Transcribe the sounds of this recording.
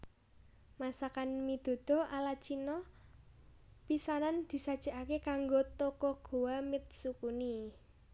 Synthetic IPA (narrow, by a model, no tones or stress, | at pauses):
masakanmid̪̥o̤d̪̥ɔ̤alat͡ʃinɔ | pisanand̪̥i̤sad̥ʒ̥a̤ʔakekaŋɡot̪ɔkɔɡ̥o̤wamɪt̪̚sukuni